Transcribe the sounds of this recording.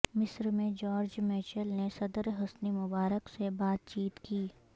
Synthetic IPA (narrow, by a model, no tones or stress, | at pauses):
mɪsɾmẽd͡ʒɔːɾd͡ʒmɛːt͡ʃəlnesɐd̪əɾɦɐsnimʊbaːɾəksebaːt̪̚t͡ʃiːt̪kiː